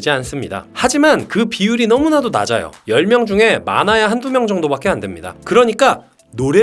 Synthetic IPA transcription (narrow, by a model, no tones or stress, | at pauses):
d͡ʑians͈ɯmɲida̰had͡ʑimankɯpiuɾinʌmunadona̰d͡ʑajo̰jʌɭmjʌŋd͡ʑuŋe̞ma̰najaɦandumjʌŋd͡ʑʌŋdobak͈e̞andwemɲida̰kɯɾʌɲik͈a | noɾe̞